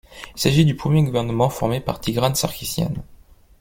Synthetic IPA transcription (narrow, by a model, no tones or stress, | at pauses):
ilsaʒid̪ypχəmjeɡuvɛʁnəmɑ̃fɔʁmepa̰ʁt̪ʰiɡʁansa̰ʁkʲisjɛ̰n